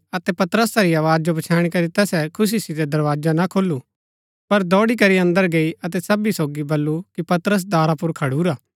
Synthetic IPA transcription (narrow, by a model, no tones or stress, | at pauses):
ɐt̪ɛpɐt̪əɾəsaɾiaːʋaːd͡ʒd͡ʒopɐt͡ʃʰaːɽ̃ikɐɾit̪ɛːsɛkʰʊs̬isid̪ed̪ɐɾʋaːd͡ʒanakʰoːlːu | pɐɾd̪ɔːɽikɐɾiɐ̃nd̪əɾɡeiʔɐt̪̬ɛsɐbisoːɡibɐlːukipɐt̪ɾəs̬d̪aːɾapʊɾkʰɐɽuːɾaː